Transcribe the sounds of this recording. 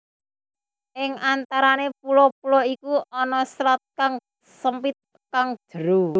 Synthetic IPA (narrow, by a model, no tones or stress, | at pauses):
ʔɪŋant̪aɾanep̚ulɔpulɔikuɔnɔsɾɔt̪̚kaŋ | səmpɪt̪̚ | kaŋ̥d̥əɾu